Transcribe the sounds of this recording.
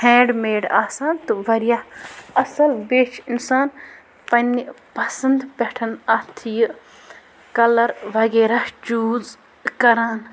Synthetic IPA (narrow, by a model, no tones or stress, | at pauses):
hɛ̃ːɖmeːɖaːsaːnt̪ɨʋɐɾjahɐsɐlbet͡ʃʰinsaːn | pɐnːi | pɐsɐnd̪pɛʈʰɐnɐt̪ʰijɨ | kɐlɐɾʋɐɡeːɾahd͡ʒuːz | kɐɾaːn